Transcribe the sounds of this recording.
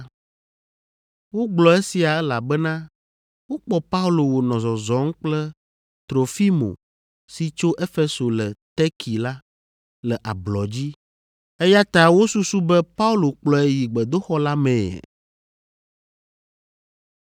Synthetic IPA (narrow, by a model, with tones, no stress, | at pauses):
wo˦ɡ͡blɔ˨e˦si˨a˨ɛ˦la˨bɛ˦nã˦ | wo˦k͡pɔ˦pa˦u˦lo˨wo˨nɔ̃˨zɔ˨zɔ˨˦ŋ̩˦k͡plɛ˦ | t̪ɾo˨fi˦mo̰˨ | si˨t͡ʃo˦ʔe˦fe˦so˨lɛ˨t̪ɛ˦kʰi˨la˦ | lɛ˨ʔa̰˨blɔ˨d͡ʑi˦ | e˦ja˦t̪a˦wo˦su˦su˦bɛ˦pa˦u˦lo˨k͡plɔ˨e˨ji˨ɡ͡bɛ˨d̪o˦xɔ˦la˦mɛ̰̃˨